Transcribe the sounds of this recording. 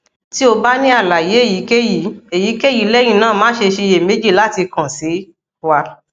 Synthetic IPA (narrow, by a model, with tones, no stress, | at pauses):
ti˦o˧ba˦nĩ˦a˦˨la˨je˨˦e˦˨ji˨˦ke˦ji˨˦e˨ji˨˦ke˦ji˨˦lɛ˦j̃ĩ˦˨nãː˦˨mãː˨˦ʃe˧ʃe˧je˨me˨˦d͡ʒi˦˨la˨˦ti˧kã˨si˨˦ | wa˧